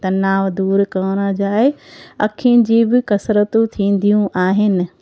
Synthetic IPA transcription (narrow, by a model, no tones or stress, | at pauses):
t̪ɐnaːʋd̪uːɾkɐʋɽ̃əd͡ʑaːɦeɐ̰kʰĭd͡ʑiːbɪkɐsɾət̪ũt̪ʰĩːn̆d̪ʱijũʔaːɦɪnɪ̆